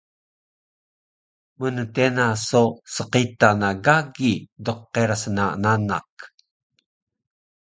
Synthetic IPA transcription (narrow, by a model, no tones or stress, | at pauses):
mənətenasosəqitanaɡaɡidoqːeɾasəna̰nana̰k